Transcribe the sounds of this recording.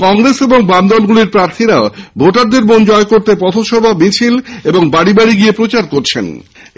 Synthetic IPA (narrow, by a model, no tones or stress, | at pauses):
kɔŋɾeseboŋbamd̪ɔlɡuliɾpɾaɾt̪ʰiɾaobʱoʈaɾd̪eɾmond͡ʑɔekoɾt̪epɔt̪ʰoʃɔbʱamit͡ɕʰileboŋbaɽibaɽiɡiepɾot͡ɕaɾkoɾt͡ɕʰḛn